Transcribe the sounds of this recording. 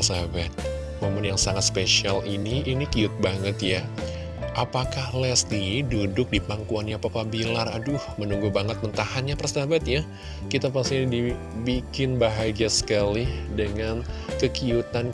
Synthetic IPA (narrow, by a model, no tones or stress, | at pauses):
sabat̪̚ | momʊnjaŋsaŋat̪̚speʃialiniːnikiʊt̪̚baŋət̪ja | ʔapakahlɛst̪idudʊk̚dipaŋkuanjapapabilaradʊhmənuŋɡubaŋət̪̚mənt̪ahanɲapərsabat̪ja | kit̪ap̬ast̪ɪdi | bikɪnbaɦaɡiasə̥kalihdəŋankəkiut̪an